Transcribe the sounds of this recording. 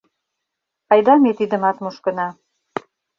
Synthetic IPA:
ɑjd̪ɑmet̪id̪ə̆mɑt̪muʃkɤ̆nɑ

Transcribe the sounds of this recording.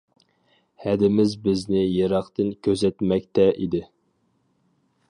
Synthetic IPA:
hɛd̪ɪmɪzbɪznɪjeɾɑχt̪ɨnkʲʰøzɛt̪mɛk̚ʲt̪ʰɛʔid̪ɪ

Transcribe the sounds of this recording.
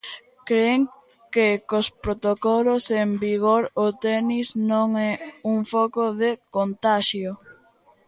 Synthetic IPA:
kɾeŋ | kekospɾot̪okɔlosembiɣoɾot̪ɛniznõŋɛuŋfɔkoðekont̪aʃjo

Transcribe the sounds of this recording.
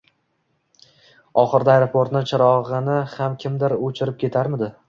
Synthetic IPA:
ɒχɨɾd̪aajɾopʰoɾt̪nɪt͡ʃʰɪɾɒʁɨnɪhamkʲʰɪmd̪ɪɾot͡ʃʰɪɾɪp̚kʲʰe̞t̪ʰaɾmɪd̪ɪ

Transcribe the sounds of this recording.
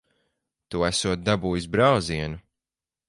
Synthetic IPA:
t̪uæsuɔt̪̚d̪abuːjusbɾawziɛnu

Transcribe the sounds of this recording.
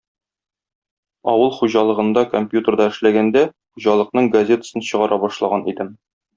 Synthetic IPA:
ɒ̰wɤlˠχuʑɑlˠɤ̆ʁɤ̆nd̪ɑkomʲpʲjut̪ʲərd̪ɑɘ̆ʃlæɡænd̪æ | χuʑɑlˠɤ̆qnɤɴɡɐzʲe̞t̪ə̥sɤnɕɤ̆ʁɑɾʔɑbɒʃlˠɑʁɑnid̪ɘm

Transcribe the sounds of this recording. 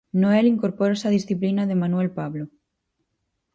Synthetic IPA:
noeliŋkoɾpoɾesaðisθiplinaðemanwelpaβlo

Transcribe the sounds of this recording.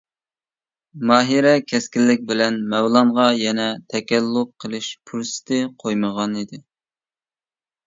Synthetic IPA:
mɑːɦiɾɛkʲʰɛskʲilːɪk̚ʲbɪlɛnmɛwlˠɑɴʁɑjɛnɛt̪ʰɛkʲɛlːʊqqʰːəlˠɨʃpʰuɾsɪ̥t̪ʰɪqʰojməʁɑnid̪ɪ

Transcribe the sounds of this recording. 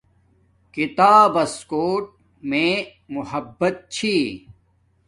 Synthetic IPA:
kit̪aːbɐskoːʈ̚ | mẽː | muhɐbːɐt̪̚t͡ɕʰiː

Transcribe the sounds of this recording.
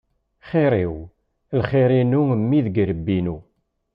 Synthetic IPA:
χiɾˤiw | lχiɾinumːiðɡɾəbːinu

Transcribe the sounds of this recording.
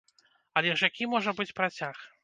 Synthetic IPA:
ɐlʲɛʐjakʲimɔʐɐbɨt͡sʲpɾat͡sʲax

